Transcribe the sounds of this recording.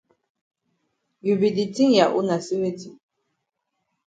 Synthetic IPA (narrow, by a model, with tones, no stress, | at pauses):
ju˨bi˨di˨ti˦ŋ˦ja˨ʔṵ˦na˨si˦we˦ti˨